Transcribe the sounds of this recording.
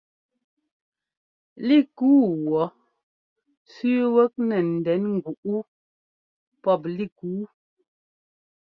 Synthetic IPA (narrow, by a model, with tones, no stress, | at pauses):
li˦˨kuː˦wɔ˨˦ | sʉ˦wə˦k̚nɛ˨n̩˨dɛ˨˦nŋ̩˨ɡu˨ʔu˦ | pɔ˦˨p̬̚li˦˨kuː˨˦